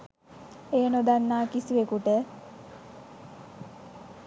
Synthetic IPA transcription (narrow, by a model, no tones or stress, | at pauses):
eːnod̪anːaːkisiʋekuʈə